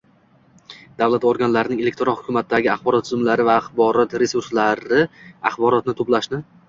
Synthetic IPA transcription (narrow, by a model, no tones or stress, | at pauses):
d̪̥avlat̪oɾɡʲanlaɾɪnɪŋʲe̞lekʲt̪ɾɔnhʊkʰʲʊmat̪̚ːaɡʲɪaχbɒɾɒt̪ːʰʊzmlaɾɪvaːχbɒɾɒt̪ɾe̞suɾslaɾɪa̰χbɒɾɒt̪̚nɪt̪ʰoplaʃnɪ